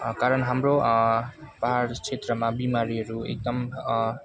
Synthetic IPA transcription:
kaɾəɳɦamɾo | pəɦaɾkt͡ʃʰet̪ɾəmãbimaɾiɾuḛk̚d̪əm

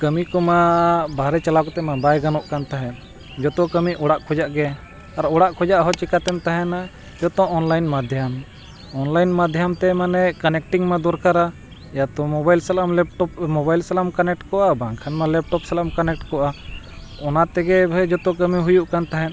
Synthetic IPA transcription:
kəmikɔmabʱaɾɛt͡ʃalakɔt̪ɛmabajɡanɔʔkant̪aɦɛ̃n | d͡ʒɔt̪ɔkəmiʔɔɽaʔkʰɔd͡ʒaʔɡɛ | aɾɔɽaʔkʰɔd͡ʒaʔɦɔt͡ʃikat̪ɛmt̪aɦɛna | d͡ʒɔt̪ɔ̃ʔɔnlajnmad̪ʱjam | ɔnlajnmad̪ʱjamt̪ɛmanɛkanɛk̚ʈiŋmad̪ɔɾkaɾa | jat̪ɔ̃mɔbajlsɛlamlɛp̚ʈɔp̚mɔbajlsɛlamkanɛk̚ʈkɔʔabãŋkʰanmalɛp̚ʈɔpsɛlamkanɛk̚ʈkɔʔa | ɔnat̪ɛɡɛbʱɛd͡ʒɔt̪ɔ̃k̬əmiɦujuʔkant̪aɦɛn

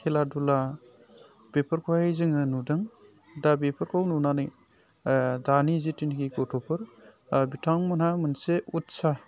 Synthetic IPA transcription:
kʰeladula | b̥epʰəɾkʰoajzɯŋɯnudɯŋ | dabepʰɐɾkʰawnunanɯj | danizitiniɡikotʰɔpʰɯɾ | bitʰaŋmɐnamɯnseutsa

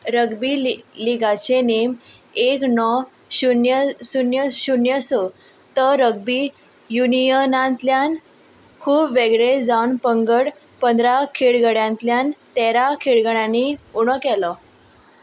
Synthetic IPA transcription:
ɾəɡbiliɡat͡ɕenem | eknɔ | ɕunjəsunjəɕunjəsɔ | t̪əɾəɡ̚biː | junijənãnt̪ljan | kʰuːpʋeɡɭed͡zaunpəŋɡəɽ | pənd̪ʱɾakʰiɭɡəɽjãnt̪ljant̪ɛɾakʰiɭɡəɽjãniuɽ̃əkɛlɔ

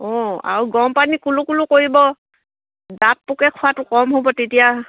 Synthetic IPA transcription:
ɔa̰ɹuɡɔmpanikulʊkulʊkoɹibɔ | dat̚pʊkɛkʰɔwatʊkɔmɦobɔtetija

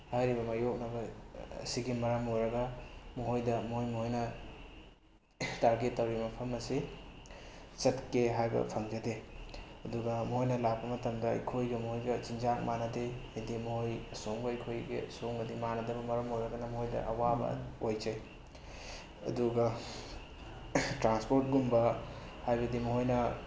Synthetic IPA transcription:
hajɾibɐmɐjok̚nɐbɐ̰siɡimɐɾɐmojɾɐɡɐmuɦojdɐmuɦojmuhojnɐ | taɾɡetːɐwɾimɐpʰɐmɐsi | t͡ʃɐtkeɦajbɐ̰pʰɐŋd͡ʒɐdeɐduɡɐmuhojnɐlak̚bɐmɐtɐmdɐɐ̰jkʰojɡɐmuhojɡɐt͡ʃind͡ʒak̚manɐdejɐjdimɐhojɐsoŋbɐjkʰojɡḛsoŋmɐdimanɐdɐbɐmɐɾɐmojɾɐɡɐnɐmɐɦojdɐ̰ʔɐwabɐ̰ojd͡ʒɐj | ɐ̰duɡɐ | tɾanspoɾt̚ɡumbɐ | hajbɐdimɐhojnɐ

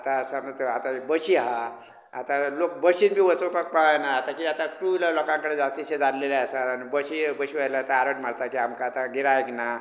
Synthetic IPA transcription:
at̪asamət̪əat̪abəɕiɦa | a̰t̪alokbəɕinbʱiːʋət͡sopək̚paɭajnaːt̪akiat̪akɾulalɔkãŋkəɽed͡zast̪iɕed͡zanleleasaanibəɕibəɕiʋajlaat̪aaɾəʈmaɽt̪akiamkaːt̪aɡiɾaekna

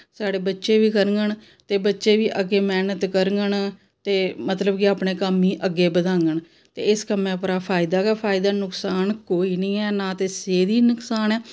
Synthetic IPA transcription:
saːɽeːbətːʃeːʋiːkəɾŋɡəɳ | t̪eːbətːʃeːʋiːʔəɡeːmɛːnət̪kəɾŋɡəɳ | t̪eːmət̪ləbkɪaːpɳeːkəmːĩːʔəɡːeːbəd̪ãːŋɡəɳ | t̪ḛːɪskəmẽːpɾaːpʰaːɪd̪aːkaːpʰaːɪd̪aːnʊksaːnkoːiːnĩːɛːnaːt̪eːseːd̪iːnʊksaːnɛː

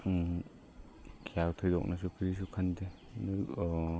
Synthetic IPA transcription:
kʰiawtʰɔjdɔ̰k̚nas̬ukʰɯɾis̬ukʰande | nɯ

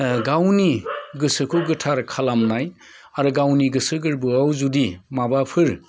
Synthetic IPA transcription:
ɡawniɡɯsɯkʰɯɡɯtʰaɾkʰalamnaj | aɾɯɡawniɡɯsɯɡɯɾbɯawzudimabapʰɯɾ

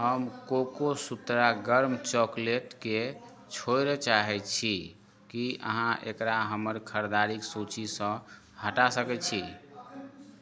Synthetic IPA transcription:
ɦəmkokosut̪ɾaɡəɾmt͡ʃɔkleʈke | t͡ʃʰojɾɛt͡ʃaɦɛt͡ʃʰi | kiʔə̰ɦãʔḛkɾaɦəməɾkʰəɾd̪aɾiksot͡ʃisə̃ | həʈasəkɛt͡ʃʰi

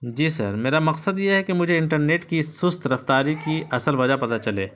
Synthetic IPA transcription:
d͡ʒiːsɐ̰ɾmeːɾamɐqsəd̪jeɦɛkemʊd͡ʒʱeɪ̃ɳʈəɾneːʈkissʊst̪ɾɐft̪aːɾikiʔɐsəlʋɐd͡ʒapɐt̪at͡ʃɐlḛː

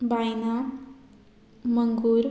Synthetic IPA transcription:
bajna | məŋɡuɾ

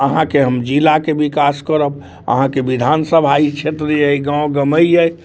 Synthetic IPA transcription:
əɦãkeɦəmd͡ʒilakebikaskəɾəb̚ | ə̰ɦãkeʋid̪ʱansəbʱait͡ʃʰet̪ɾəjəjɡãwõɡəməiəj

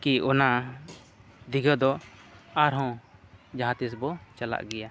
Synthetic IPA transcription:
kiɔna | d̪iɡəd̪ɔaɾɦɔ̃d͡ʒaɦãt̪isbɔt͡ʃala̰ʔɡɛja

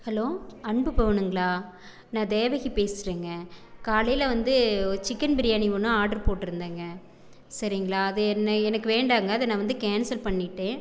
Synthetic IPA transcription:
hɐloːɐɳbɯpɐʋɐɳɯŋɡɐɭaː | nãːd̪eːʋɐɣipeːsɯɾiːŋɡɐkaːlɐjlɐʋɐnd̪ɯt͡ʃɪkːɐnbɪɾɪjaːnɪʋɐnɯ̃aːʈɐɾpoːʈːɯɾɯnd̪aːŋɡɐ | sɐɾɪŋɡɐɭaːɐðɯɛnːɐɛnɐkːɯʋeːɳɖaːŋɡɐːðɐnãːʋɐnd̪ɯkeːnsɐlpɐɳːɪʈːẽː

